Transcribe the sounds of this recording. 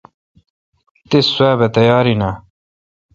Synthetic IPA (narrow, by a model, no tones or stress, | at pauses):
t̪iswaːbet̪ɐjɑːɾina